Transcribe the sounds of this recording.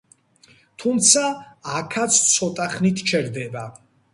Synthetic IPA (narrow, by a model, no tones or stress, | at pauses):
t̪ʰumt̪sʰaːkʰat̪sʰsʰɔt̪ʼaχnit̪ʰt͡ʃʰɛɾd̪ɛba